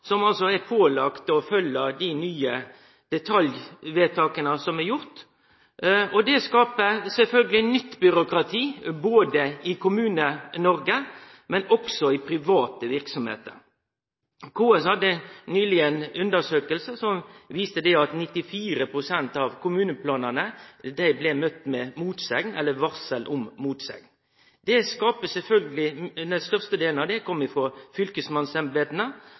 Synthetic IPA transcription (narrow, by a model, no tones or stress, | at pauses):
sɔmɑlsɔæpʰoːlɑkt̪ɔfœlːəd̪ɪnyːə | d̪̥ɛt̪ʰɑljʋeːt̪ʰɑːkənəsɔmɛɾjʊɾt̪ | ɔd̪ɛskɑːpəsɛlfœlɡəlɪnʏt̪ːbʏɾʊkɾɑt̪ʰiːboːd̪əɪkʰʊmʉːnənɔɾɡə | mɛnɔksɔɪpʰɾɪʋɑːt̪əʋɪɾksɔmhḛːt̪ə̰ɾ | kʰoːɛshɑd̪ːənyːlɪənʉnd̪əʂøːkəlsəsɔmʋiːst̪əd̪ɛɑt̪nɪt̪ːɪfiːɾəpʰɾʊsɛnt̪ɑʋkʰʊmʉːnəpʰlɑːnənəd̪æɪblɛmœt̪ːmɛmuːt̪sɛɡnɛlːəʋɑʁsəlʔʊmmuːt̪sɛ̰ɡ̪ | d̪ɛskɑːpəsɛlfœlɡəlɪd̪ɛnst̪œʁst̪əd̪eːlnɑʋd̪ɛkʰɔmːɪfʁoːfʏlkəsmɑnsɛmbeːd̪nə